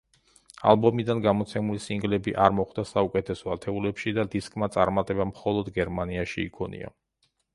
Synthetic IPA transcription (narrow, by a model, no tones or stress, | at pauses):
a̰lˠbɔmid̪anɡamɔt̪sʰɛmulisiŋɡlɛbiʔaɾmɔχd̪asaukʼɛt̪ʰɛsɔat̪ʰɛulɛpʃid̪ad̪iskʼmat̪sʼaɾmat̪ʼɛbamχɔlˠɔd̪ɡɛɾmaniaʃiːkʰɔnḭa̰